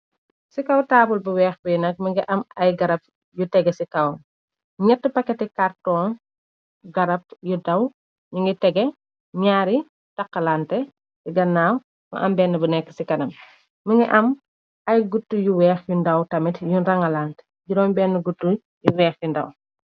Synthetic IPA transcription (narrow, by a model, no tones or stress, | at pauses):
sikɐwtaːbulbəwɛːxbəjnɐk̚məŋɡiʔɐmɐjɡɐɾɐp̚ | jutɛɡɛsikɐw | ɲɛtːəpɐkːɛtikartɔːn | ɡɐɾɐp̚judɐw | juŋɡitɛɡɛ | ɲaːɾi | tɐqːɐlantɛ | iɡɐnːaːw | mɐ̰ʔɐmbɛːnːɐbɐnɛkːə̥sikɐnɐm | məŋɡiʔɐm | ɐjɡutːujuwɛːxjundɐwtɐmitjunɾɐŋɐlaːnt | ɟuɾɔnbɛːnːəɡutːu | juwɛːxjundɐ̰w